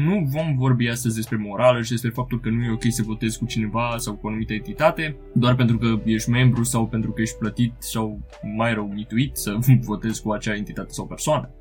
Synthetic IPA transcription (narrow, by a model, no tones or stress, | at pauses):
nuvo̞mvo̞rbiast̪əzʲd̪espɾe̞mo̞ɾaləʃid̪e̞spɾe̞fap̚t̪ulkənuje̞o̞kʲe̞jsəvo̞t̪e̞zkut͡ʃine̞vasawkuanumit̪əent̪it̪at̪e̞ | d̪oarpe̞nt̪ɾukəje̞ʃt̪ʲme̞mbɾusawpent̪ɾukəje̞ʃt̪̚ʲplət̪it̪saw | majɾəwmit̪uit̪səvo̞t̪e̞zkuat͡ʃaent̪it̪at̪e̞̥sawpe̞rsoanə